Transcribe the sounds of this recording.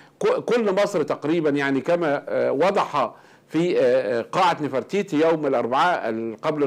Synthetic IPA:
kkʊlːmɑsˤɾt̪ɑqɾiːbænjaʕnikæmæːwɑd̪ˤɑħɑ | fiːqɑːʕat̪nɪfɑɾˤt̪iːt̪ijowmɪlʔɑɾˤbaʕaːlqɑbl

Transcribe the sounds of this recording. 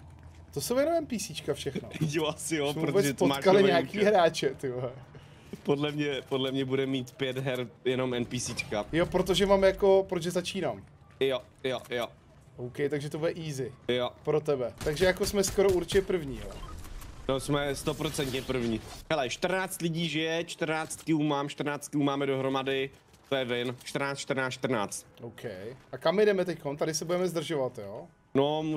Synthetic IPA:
t̪osowjɛno̞mɛnpiːsiːt͡ʃkafʃɛxnojoasɪjomɛvɾuːbɛot͡sɛt̪pomaakalɪɲaakiːɦɾaːt͡ʃɛt̪ɪblɛ | podlɛmɲɛpodlɛmɲɛbudɛmːiːt̪pjɛd̪ɦɛɾjɛnomɛnpisiːt͡ʃkajopɾot̪̬oʒɛmaːmjako̞pɾoʒɛzat͡ʃiːnaːm | jo | jojo | ʔowkɛjt̪aɡʒɛt̪obuɛʔiːzɪjopɾot̪̬ɛbɛt̪aɡʒɛjakosmɛsko̞ɾouɾt͡ʃɛpr̩vɲiːɦo̰nosmɛst̪opɾot͡sɛnt̪ɲɛpr̩vɲiːɦɛlɛʃt̪rnaːt͡st̪lɪɟiːʒɪjɛt͡ʃt̪rnaːt͡st̪kɪumaːmʃt̪rnaːt͡st̪̚kɪumaːmɛdoɦɾomadɪ | t̪ojɛvɪnt͡ʃt̪ɾnaːt͡st͡ʃt̪ɾnaːt͡st͡ʃt̪ɾrna̰ːt͡st̪ʔowkʰɛjʔakamːɪɛdɛmɛt̪ɛcko̞nt̪adɪsɛbudɛmɛzd̪r̩ʒovat̪joː | nomu

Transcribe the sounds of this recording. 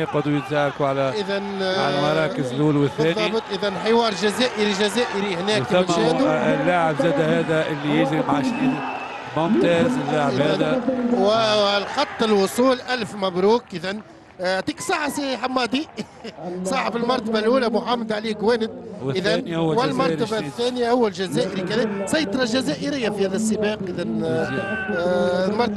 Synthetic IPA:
ɪqɑd̪ujɪt̪zaːɾkuʕalæʔɪðænʕalmɑɾˤɑːkɪzlʔuːlwɪθːbːæːnðˤːɑbt̪ˤʔɪðænħɪwɑːɾˤʒæzæːʔɪɾiʒæzæːʔɪɾihnæːk̚t̪iɪnæd̪lːaːʕɪbzæːd̪æhæːd̪æʔɪlːijɪd͡ʒɾimaʕaʃniːn | mʊmt̪æːzɪlːaʕɪhæːd̪æwlxɑt̪ˤːɪlwʊsˤuːlʔælfmabɾuːkʔɪðæn | ʕt̪iːksˤɑːħasiħamːɑːd̪i | sˤɑːħafilmɑɾˤt̪ɑbalʔuːlæmʊʕamːɑd̪ʕaliːɡwæːnɪd̪̚ʔɪðænwɪlmɑɾˤt̪ɑbaθːæːnjahʊwːælʒæzæːʔɪɾikælæsɑjt̪ˤɑɾˤɑlʒæzæːʔɪɾɪjːafihæːðæsˤːəbɑːqʔɪðæn | lmɑɾˤt̪

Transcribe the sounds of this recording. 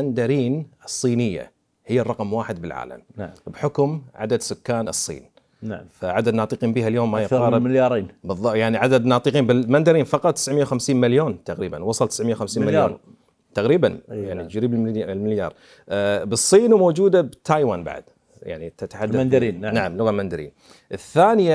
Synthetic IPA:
and̪aɾiːnɨsˤːiːnɪjːa̰ | hɪjːarˤːɑqmwaːħɪd̪̚bɪlʕa̰ːla̰mbħʊkʊmʕa̰d̪ad̪sʊkːaːnɨsˤːḭːn | faʕad̪ad̪nɑːt̪ˤɨqiːnbiːhaljoːmːajɪɑːɾˤmɪjɑːɾˤiːnbɨðˤːɑjaʕniʕad̪ad̪nɑːt̪ˤɨqiːnbɪmand̪aɾiːnfɑqɑt̪ˤt̪ːɪ̥sʕmɪjːawxamsiːnmaljoːnt̪aqɾiːbanwɑsˤɑlt̪ɪ̥sʕmɪjawxamsiːnmaloː | t̪aqɾiːbanjaʕnid͡ʒɾiːblmɪljɑ̰ːɾˤ | bɨsˤːiːnumoːd͡ʒuːd̪abt̪ʰaːjwaːnba̰ʕd̪ | ja̰ʕnit̪at̪aħad̪ad̪ɾiːnnaʕamlʊɣalmand̪aɾḭːn | ʔɪθːaːnɪja

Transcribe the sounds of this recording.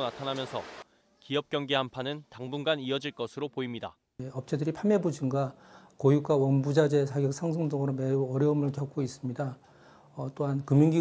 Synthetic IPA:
natʰanamjʌnsʰʌ | kiʌp̚k͈jʌŋɡehampʰanɯntaŋbunɡaniʌd͡ʑiɭk͈ʌsʰɯɾopoimɲida | ʌp̚t͡ɕ͈ʰedɯɾipʰame̞bod͡ʑiŋɡakojuk͈awʌnbud͡ʑad͡ʑe̞sʰaɡjʌk̚sʰaŋs̬ʰoŋdʌŋɯɾome̞uʌɾjʌɯmɯɭkjʌk͈ʰois͈ɯmɲida | ʌt͈oɦankɯmjiŋɡi

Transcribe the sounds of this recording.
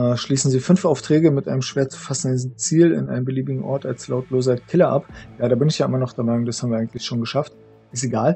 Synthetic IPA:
ʃliːsn̩ziːfʏnfʔaʊftʁ̥ɛːɡəmɪtʔa̰ɪnəmʃv̥eːɐt͡su̥fasn̩diznt͡siːlɪ̰nʔa̰ɪnəmbəliːbɪɡŋ̩ʔɔɐtalslaʊtloːzɐkʰɪlɐʔapjaːɾaːbɪnɪçjaːʔɪmɐnɔχd̥eɛɐmaɪnʊŋdashaːbm̩iːɐaɪɡŋ̩ntlɪçʃoːnɡəʃaft | ʔɪsteɡaːl

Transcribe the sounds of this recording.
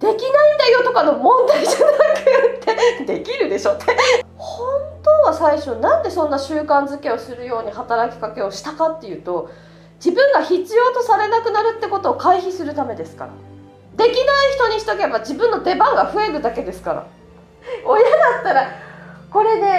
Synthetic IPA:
d̪̥e̞kʲinaĩnd̪ajo̞t̪o̞kano̞mõ̞nd̪aiçt̪oɡ̪anakajot̪ːe̞d̪e̞kʲiɾɯ̟d̪e̞ɕo̞t̪ʰːe | hõ̞nt̪oːβasaiɕo̞nãnd̪e̞sõ̞nːaɕɨːkãnd͡zɨke̞o̞sɨɾɯ̟jo̞ːɲ̟ihat̪aɾakʲi̥kake̞o̞ɕi̥t̪akat̪ːe̞jɯ̟ːt̪o̞ | d͡ʑibɯ̟̃ŋɡaçit͡sɨjo̞ːt̪o̞saɾe̞nakɯ̟naɾɯ̟t̪ːe̞ko̞t̪o̞ːkaiçisɨɾɯ̟t̪ame̞d̪e̞sɨ̥ka̰ɾa̰ | d̪e̞kʲinaiçi̥t̪o̞ɲ̟içi̥t̪oke̞bad͡ʑibɯ̟̃nːo̞d̪e̞bãŋɡaɸɯ̟e̞ɾɯ̟d̪ake̞d̪e̞sɨ̥kaɾa̰ | o̞jad̪at̪ːaɾako̞ɾe̞d̪e̞

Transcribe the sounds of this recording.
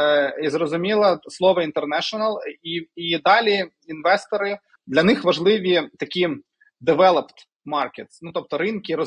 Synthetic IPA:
izrɔzʊmʲilˠɐslˠɔʋɐint̪ernɛʃɔnɐlˠiid̪ɑlʲi | inʋɛst̪ɔɾɪ | d̪lʲɐnɪxʋɐʒlˠɪʋʲit̪ɐkʲi | d̪eʋɛlˠɐpt̪ | mɑrket̪snut̪ɔp̚t̪ɔɾɪnkʲɪɾɔ

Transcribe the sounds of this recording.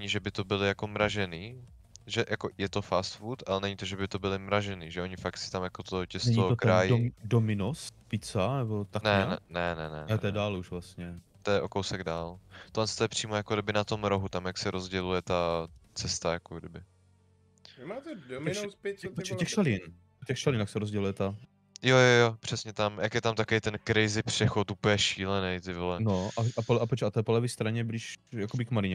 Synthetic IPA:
nɛɲiʒɛbɪt̪obɪlɪjakomɾaʒɛniː | ʒɛjʔakojɛt̪o̞fast̪fut̪ʔalɛnɛɲit̪oʒɛbɪt̪obɪlɪmɾaʒɛniːʒɛʔo̞ɲɪfakt̪sɪ̥t̪amjakot̪ocɛstɲookɾɾajɪdomɪnospɪt͡sanɛbot̪anɛɛnɛnɛnɛ̰ɛɛdaːluʃvlast̪ɲɛt̪ojɛʔo̞kowsɛɡdaːlt̪olɛnst̪ojɛpr̝̥iːmojakodɪbɪnat̪o̞mɾoɦut̪amjaksɛɾʔozɟɛlujɛt̪at͡sɛst̪ajakoɡdɪbɪ | maːt̪ɛdospɛpot͡ʃɛɛxʃalɪn | cɛxʃalɪnjaxksɛɾozɟɛlujɛt̪a | jojojopr̥ɛsɲɛt̪amjakjɛt̪amt̪akejt̪ɛnkɾɪzɪpr̝̥ɛxot̪upəl̩jɛʃiːlɛnɛjt̪ɪvlɛnoʔaʔapolʔapot͡ʃat̪ojɛpolɛviːst̪ɾaɲɛblɪʃjakobɪkmalɪɲɛ

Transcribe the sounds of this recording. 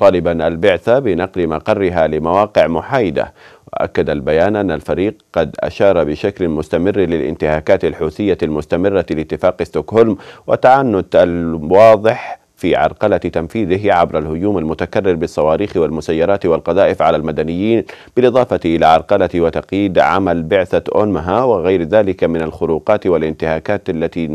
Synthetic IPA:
t̪ˤɑːlɪbanʔalbɪʕθabɪnɑqlɪmɑqɑrˤːɪɦalɪmawɑːqɪʕmʊħaːjɪd̪a̰wa̰ʔa̰kːad̪albajaːnʔanːalfaɾiːq̚qɑd̪ʔa̰ʃɑːɾˤbɪʃaklmʊst̪amɪrːlɪlʔɪ̰nt̪ɪhaːkaːt̪alħuːθɪjːalmʊst̪amɪrːalɪt̪ːɪfaːqɪst̪okholmwɪt̪aʕanːʊd̪ʔalwɑːðˤɪħ | fiʕɑ̰ɾˤqɑlat̪amfiːðɪʕabɾalhʊd͡ʒuːmalmʊt̪akarːɪɾbɪsˤːɑwɑːɾiːxwalmʊsajːɑɾˤɑːt̪walqɑðˤɑːʔɪfʕalalmad̪anɪjːiːnb̥ɪlʔɨðˤɑːfɑt̪ʔɪlaʕɑɾˤqɑlawɪt̪ɑqjiːd̪ʕa̰malbɪʕθaʔonmɦawɪɣajɾðaːlɪkamɪnalxʊɾuːqɑːt̪walʔɪnt̪ɪhaːkaːt̪ʔalːat̪i

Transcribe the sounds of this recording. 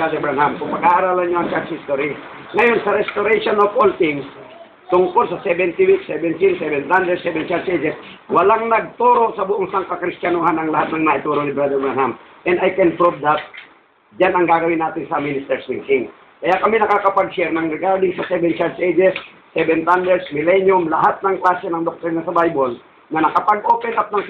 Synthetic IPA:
ad̪ɛɾbɛnhamkʊŋpɐɡaːʔaɾaːlɐnɲoʔɐŋt͡ʃaɾt̪t͡ʃhist̪oɾi | ŋɐjo̞nsɐɾɛst̪oɾɛʃonofʔolt̪ɪŋs | t̪ʊŋko̞lsɐsɛbɛnt̪ɪwiksɛbɛnt̪insɛbɛnt̪hand̪ɛd̪̚sɛbɛnt͡ʃaɾsʔɛjd͡ʒɛswɐlaŋnɐɡ̚t̪uːɾo̞ʔsɐbʊʔoŋsaŋkakɾɪst̪anohanɐŋlɐhat̪̚nɐŋnaʔɪt̪uːɾonɪbɾad̪ɛɹbɹanham | ʔɛnd̪ajkɛnpɹob̚d̪ap̪̚ | d͡ʒanɐŋɡaːɡɐwɪnaːt̪ɪnsɐminɪst̪ɛɹsmiŋkiŋ | kɐjakɐminɐkakɐpɐɡsɛɾnɐŋnɛɡaɾd̪ɪŋsɐsɛbɛnt͡ʃaɹsʔejd͡ʒɛsː | ɛbɛnt̪and̪ɛɹsmɪlɛnjomlɐɦat̪̚nɐŋklaːsɛnɐŋd̪ok̚t̪ɔɾnɐsɐbajbol | nɐnɐkɐpaɡ̚ʔo̞ːpɛnʔap̚nɐŋ

